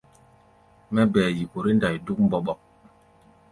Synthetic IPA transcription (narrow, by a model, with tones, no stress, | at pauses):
mɛ˦bɛː˨ji˨ko˨ɾi˦nda˨jdu˦k̚m̩˦bɔ˦ɓɔ˨k̚